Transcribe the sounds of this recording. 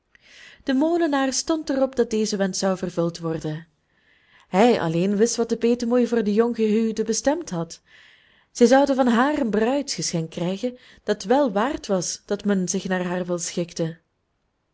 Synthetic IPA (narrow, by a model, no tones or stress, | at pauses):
d̥əmoːlənaːrstɔntərɔpdɑt̚deːzəʋɛntsɑwvərvɵlˠtʋɔrdə | ɦɛjʔɑ̰leːnʋɪstʋɑt̚dəpeːtəmoːjvʊːrdəjɔŋɣəɦydəbəstɛmtɦɑt | z̥ɛjzɑwdəvɑnɦaːrənbrœɥtxəsxɛŋkrɛjɣən | d̥ɑtʋɛlˠʋaːrtʋɑsd̥ɑtmɛnzɪxnaːrɦaːrʋɪlˠsxɪktə